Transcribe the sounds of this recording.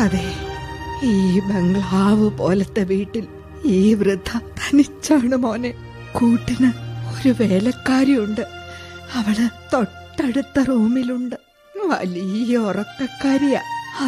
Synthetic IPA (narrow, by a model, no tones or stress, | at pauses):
ɐðe | iːbeŋɡɭaːʋɨpo̞̰ːlɐt̪ːe̞ʋiːʈːil | iːʋrɨd̪ʱːɐt̪ʰɐ̥nit͡ɕːaːɳɨmo̞ːne | kuːʈːinɨo̞ɾuʋeːlɐkːaːɾiuɳɖɨɐʋiɭɨt̪o̞ʈːɐɽut̪ːɐruːmiluɳɖɨ | ʋɐ̰lijɐurɐkːɐkːaːɾija̰ːɐ